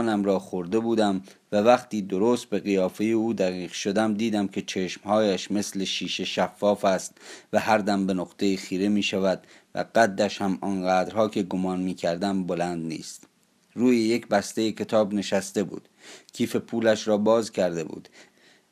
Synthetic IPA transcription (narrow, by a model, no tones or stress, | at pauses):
næmɾɒːxoɾd̪e̞buːd̪æmvævæχt̪ʰiːd̪oɾoːst̪̚be̞ɣijɒːfe̞jeuːd̪æɣiːʁ̥ʃo̞d̪æmd̪iːd̪æmkʰe̞t͡ʃʰe̞ʃmhɒːjæʃme̞sleʃiːʃe̞ʃæfːɒːfæst̪væhæɾd̪æmbe̞noqt̪e̞jiːxiːɾemiːʃævæd̪̥ | væ̰ɢæd̪ːæʃhæmɒːnɢæːd̪ɾhɒːkʰe̞ɡomɒːnmiːkʰæɾd̪æmbolænd̪nḭːst̪ | ruːjejecbæst̪ejecʰe̞t̪ʰɒːbne̞ʃæst̪e̞bṵːd̪̥kʰiːfe̞pʰuːlæʃɾɒːbɒːzkʰæɾd̪e̞bṵːd̪̥